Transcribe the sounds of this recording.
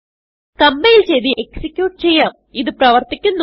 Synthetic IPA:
kɐmbejilt͡ɕe̞jðiʔeksikʲːjuːʈːɨt͡ɕe̞jːaːm | iðɨprɐʋɐrt̪ikʲːunːu

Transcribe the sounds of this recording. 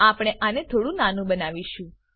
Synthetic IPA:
apɽ̃eʔanet̪ʰoɽũnanũbənaʋiʃũ

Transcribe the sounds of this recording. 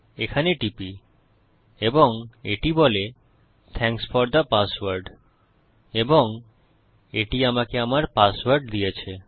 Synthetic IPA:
ekʰaneʈipi | eboŋeʈibɔle | t̪ʰɛ̃ŋsfɔɾd̪əpaswaɾɖ | eboŋ | eʈiamakeamaɾpaswaɾɖd̪ijet͡ɕʰe

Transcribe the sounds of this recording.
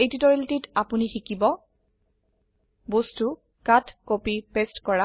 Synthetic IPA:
ejtitɔɹiltitapunixikibɔ | bostu | katʰkopipestkɔɹa

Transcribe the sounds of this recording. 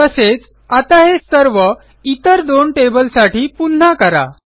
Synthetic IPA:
əset͡s | at̪aɦesəɾʋə | it̪əɾd̪oɳʈebəlsaʈiːpun̤ːakəɾa̰

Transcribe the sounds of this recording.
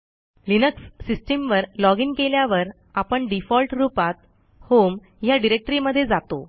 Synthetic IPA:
linəksːisʈimʋəɾlɔɡiŋkeljaʋəɾ | apəɳɖifɔlʈɾupat̪̚ | hom | jaɖiɾek̚ʈəɾiməd̪ʱːjed͡zat̪o̰

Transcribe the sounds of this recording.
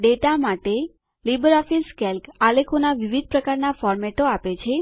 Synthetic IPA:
ɖeʈamaʈe | libəɾɔfiskɛlkalekʰonaʋiʋid̪̚ʱpɾəkaɾnafɔɾmɛʈoapet͡ʃʰe

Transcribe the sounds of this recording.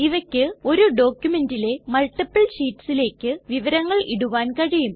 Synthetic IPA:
iʋɐkʲːɨo̞ɾuɖo̞ːkʲjume̞ndile̞mɐɭʈːipːɐɭsiːʈːsile̞ːkʲːɨʋiʋɐɾɐŋːɐɭiɽuʋaːnkɐɻijum

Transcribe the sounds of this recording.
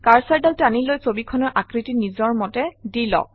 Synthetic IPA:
kaɹsaɹdaltanilojsobikʰɔnɔɹʔakɹitinizɔɹmɔtɛdilɔ̰

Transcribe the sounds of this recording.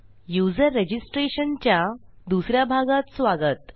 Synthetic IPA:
jud͡zəɾːed͡ʑisʈɾeɕənt͡ɕja | d̪usɾjabʱaɡat̪sʋaɡət̪

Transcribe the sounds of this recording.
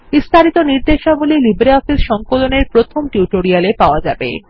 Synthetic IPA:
b̥ist̪ʰaɾit̪oniɾd̪eʃabolilibɾeɔfisʃɔŋkoloneɾpɾot̪ʰomʈjuʈoɾialepaoad͡ʑabḛ

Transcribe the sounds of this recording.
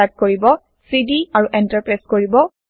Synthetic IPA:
ak̚koɹibɔ | sidiaɹuʔɛntaɹpɹaskoɹibɔ

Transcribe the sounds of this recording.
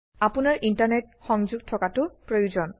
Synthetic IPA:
apʊnaɹʔintaɹnɛt̚xɔŋzuɡ̚tʰɔkatʊpɹojuzɔn

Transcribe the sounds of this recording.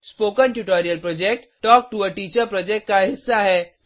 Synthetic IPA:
spoːkənʈuʈɔːɾijəlpɾɔːd͡ʒek̚ʈʈɔːk̚ʈuəʈiːt͡ʃəɾpɾɔːd͡ʒek̚ʈ̚kaɦɪsːaɦɛː

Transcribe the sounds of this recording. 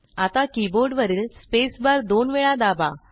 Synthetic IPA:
at̪akiboɾɖʋəɾiːlspesbəɾd̪onʋeɭad̪aba

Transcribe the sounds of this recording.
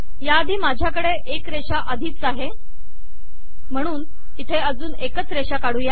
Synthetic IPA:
jaəd̪ʱiːmad͡ʑʱjakəɽeʔekɾeʂaʔəd̪ʱiːt͡saɦe | m̤əɽ̃uːn | it̪ʰeəd͡zuːnekət͡sɾeʂakaɽ̤uːja

